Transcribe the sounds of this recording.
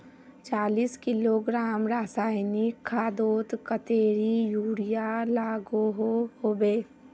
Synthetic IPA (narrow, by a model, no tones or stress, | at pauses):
t͡ʃaːliːskɪloɡɾaːmɾaːsaːɪnikʰaːd̪oːt̪kət̪eːɾijuːɽijalaːɡoɦohoːbeː